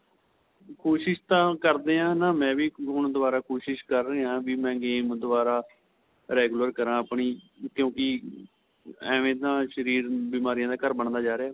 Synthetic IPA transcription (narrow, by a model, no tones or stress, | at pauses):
kʰoːʃɪʃt̪ãːkəɾd̪eːãːnaːmɛ̃ːʋiːʊɳd̪ʊʋaːɾaːkoːʃɪʃkəɾːəeːãːʋiːmɛ̃ːɡeːmd̪ʊʋaːɾaː | ɾɛːɡʊləɾkəɾãːəpɳiː | kjõːkɪ | ɛ̃ːʋẽːt̪ãːʃəɾiːɾbimaːɾijãːd̪aːkəɾbəɳd̪aːd͡ʒaːɾeaː